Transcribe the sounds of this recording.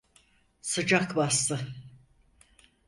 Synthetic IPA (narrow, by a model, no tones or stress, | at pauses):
sɯd͡ʒakbast̪ɯ